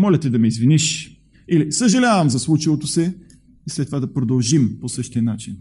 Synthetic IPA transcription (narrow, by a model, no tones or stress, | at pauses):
mɔlʲɛt̪ɛd̪ɐmɛizviniʃ | ilisəʒɐlʲavɐmzɐslˠut͡ʃɐvot̪osɛ | islɛt̪ːovad̪ɐpɾod̪ɐlˠʒimposɤʃt̪iənat͡ʃin